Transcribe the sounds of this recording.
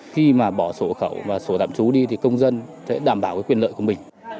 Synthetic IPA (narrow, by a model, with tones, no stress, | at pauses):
xi˧maː˨˩ɓɔ˧˩so˧˩xə˧˩wvaː˨˩so˧˩t̪a̰ː˧˨mt͡ɕu˨˦ɗi˧t̪ʰi˨˩kə˧wŋ͡mzə˧nsɛ̰˧˥ɗaː˨˩mɓaː˧˩wkaː˨˦jkwi˧ənlə̰ː˧˨jku˧˩mï˨˩ŋ̟